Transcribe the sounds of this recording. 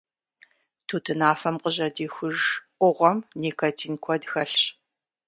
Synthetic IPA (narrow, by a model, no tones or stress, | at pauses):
tʰuːtʰɨnaːfɐmqəʑɐdiːxʷʊʒʔʷʊʁʷɔmniːkʰɐtʰiːnkʷʰɔdxɐɬɕ